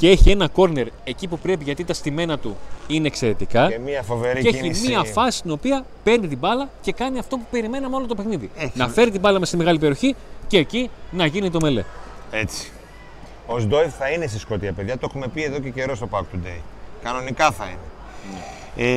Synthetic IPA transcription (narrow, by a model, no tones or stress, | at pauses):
cee̞çie̞nɐko̞ɾne̞ɾe̞cipupɾe̞piʝɐt̪it̪ɐst̪ime̞nɐt̪uine̞ːkse̞ɾe̞t̪ikɐmiɐfoveɾieeçimiɐfɐsi̥st̪ino̞piɐ | pe̞ɾnit̪ibɐlɐce̞kɐniɐft̪o̞pupe̞ɾime̞nɐmeo̞lot̪opexniðinɐfe̞ɾit̪ibɐlɐmest̪imeɣɐlip̬e̞ɾio̞çice̞ːcinɐʝinit̪o̞me̞le̞̰et͡si̥ | ozd̪o̞ivθɐinest̪isko̞t̪iɐpe̞ðʝɐt̪o̞xume̞pie̞ðo̞cece̞ɾo̞st̪o̞pɐkt̪ud̪ḛjkɐno̞nikɐθɐḭne